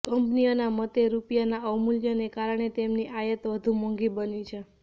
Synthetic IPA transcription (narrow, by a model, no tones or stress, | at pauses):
kəmpnijonamət̪eɾupjanaəmuljənekaɾəɳ̃et̪emniʔajət̪ʋəd̪ʱũmɔ̃ŋɡibənit͡ʃʰe